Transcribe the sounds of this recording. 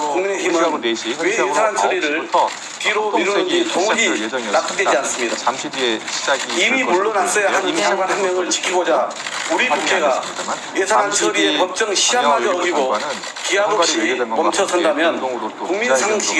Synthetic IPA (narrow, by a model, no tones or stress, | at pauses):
kuŋmineçimɯnwe̞jesʰanansʰʌɾiɾɯɭ | tiɾomiɾunɯnd͡ʑitoŋd͡ʑinap̚t͈ʰɯ̥dwed͡ʑians͈ɯmɲida̰ | imioɭːʌnas͈ʌjahanaŋɡwanhanmjʌŋɯɭt͡ɕi̥kʰiɡod͡ʑa | uɾiukʰeɡa | je̞sʰanɦansʰɯɾie̞pʌp̚t͡ɕ͈ʌŋɕʰiamad͡ʑʌʌɡiɡo | kiɦabʌpɕ͈ipʌmt͡ɕʰʌsʰʌndamjʌnkuŋminsʰaŋŋɕʰiɡe